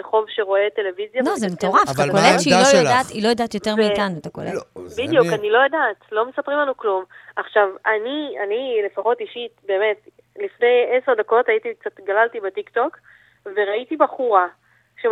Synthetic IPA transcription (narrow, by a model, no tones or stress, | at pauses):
eχo̞vʃeʁo̞e̞te̞le̞vizjanozemetoʁaft̪akolektʃelojadat̪ilo̞jadaːt̪jo̞e̞ʁvmiːtanuet̪akolebidjukanilo̞jadaːt̪lo̞mesapʁimlanuklumaχʃavania̰nile̞faχo̞tiʃitbe̞ːme̞t | lifnejeseʁd̪ako̞taitik̚t͡satɡalaltibetikto̞k | ve̞ʁaitibaχuʁa | ʃe